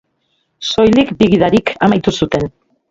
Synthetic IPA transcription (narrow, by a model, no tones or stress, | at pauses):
so̞jlikbiɣ̞ið̞aɾikʰamajt̪usut̪e̞n